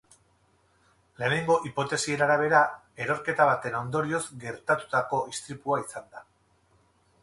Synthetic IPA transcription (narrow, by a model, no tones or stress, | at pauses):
le̞ːne̞ŋɡo̞ʔipo̞t̪e̞sie̞ɾaɾaβ̞e̞ɾa | e̞ɾo̞ɾke̞t̪aβ̞at̪e̞no̞nd̪o̞ɾio̞zɡe̞ɾt̪at̪u̥t̪ako̞ʔist̪ɾipuaisand̪a